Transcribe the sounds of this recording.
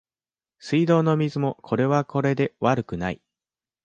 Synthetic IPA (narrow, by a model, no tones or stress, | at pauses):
sɨid̪o̞ːno̞mʲizɨmo̞kʰo̞ɾe̞β̞ako̞ɾe̞d̪e̞βaɾɯ̟kɯ̟nai